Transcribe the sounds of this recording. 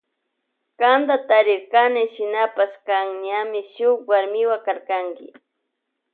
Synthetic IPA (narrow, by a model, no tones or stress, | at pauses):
kand̪at̪aɾɪɾkanɪʃɪnapaskaŋɲamɪʃʊkwaɾmɪwakaɾkaŋkɪ̰